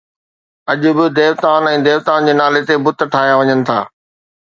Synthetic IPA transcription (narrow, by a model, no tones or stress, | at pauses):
ɐʄʊ̆bɪd̪eːʋt̪aːnɛ̃ːd̪eːʋt̪aːnd͡ʑeːnaːlet̪ebʊt̪ʈʰaːɦijaʋɐɲənɪ̆t̪ʰa̰ː